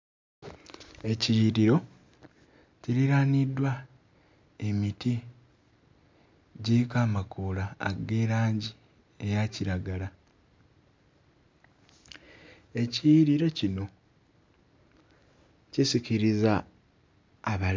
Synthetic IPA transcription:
e̞cijiɾiɾo̞ | ciɾiɾaːnidwa | emiti | ɟiikaːmakuːla̰ːɡe̞ːɾaːɲɟi | e̞jaciɾaɡala | e̞cijiɾiɾo̞cino̞ | cisiciɾiza | βa

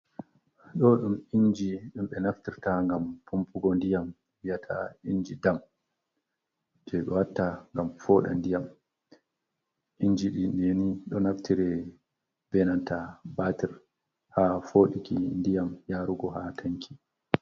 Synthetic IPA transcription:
ɗɔɗumind͡ʒiɗumɓɛnaftiɾtaŋɡampʰumpuɡɔndijam | wijatʰa̰ind͡ʒidam | d͡ʒɛɗɔwatːaŋɡamfɔːɗa̰ndijam | ʔiɲd͡ʒiɗiɗjeniɗɔnaftiɾɛ | bɛnantabatiɾ | hafoːɗikindijamjaːɾuɡɔɦatʰaŋkʰi̥

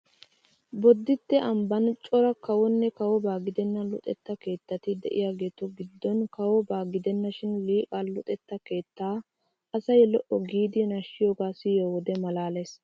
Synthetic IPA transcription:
bɔd̪ːɪt̪ːɛʔɐmbɐnt͡ʃʼɔɾɐkɐwɔnːɛkɐwɔbaːɡɪd̪ɛnːɐlʊt̪ʼɛ̰t̪ːɐke̞ːt̪ːɐt̪ɪd̪ɛ̰ʔɪ̰jaːɡe̞ːt̪ɔɡɪd̪ːɔnkɐwɔbaːɡɪd̪ɛnːɐʃɪnliːkʼalʊt̪ʼɛt̪ːɐke̞ːt̪ːaː | ʔɐsɐjɛlɔʔɔɡiːd̪ɪnɐʃːɪjoːɡaːsɪjoːwɔd̪ɛmɐlaːlɐs

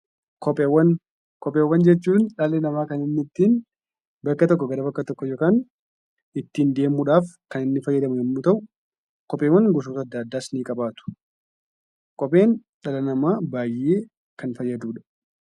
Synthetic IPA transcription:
kɔpʼewːɐn | kɔpʼeːwːɐnd͡ʒɛt͡ʃːuːnᶑɐlɛnɐmaːkɐnɪnːɪt̪ːiːn | bɐkːɐt̪ɔkːɔɡɐɾɐbɐkːɐt̪ɔkːɔjoːkaːn | ɪt̪ːiːnd̪e̞ːmːʊᶑaːfkɐnɪnːɪfɐjːɐd̪ɐmʊɛmːʊt̪ɐʔʊ | kɔpʼeːwɐŋɡɔs̬uːt̪ɐd̪ːɐːd̪ːaːsniːkʼɐbaːt̪ʊ̥ | kʼɔpʼe̞ːnᶑɐlɐnɐmaːbaːjʔːeː | kɐnfɐjːɐd̪uːᶑɐ̥

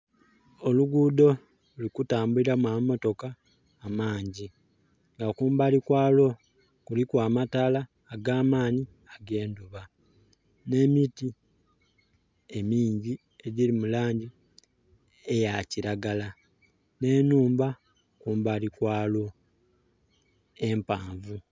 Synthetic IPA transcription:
o̞luɡuːdo̞ | ulikutaːmbuliɾamwamo̞to̞kaː | maːɲɟi | ŋɡakuːmbalikwaːlo̞ | kulikwaːmataːlaː | ɡaːmaːni | aɡe̞ːnduβa | ne̞miti | e̞miːɲɟi | e̞ɟilimulaːɲɟi | ejaciɾaɡala | ne̞nuːmba | kuːmbalikwaːlo̞ | e̞mpaːɱvu

